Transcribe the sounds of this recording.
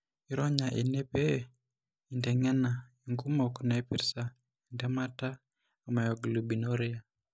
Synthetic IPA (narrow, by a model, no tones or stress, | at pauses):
iɾɔɲaʔinɛpe | indɛŋɛnaiŋɡumɔkunapiɾsa | indɛmataː | majɔɡlubinoɾija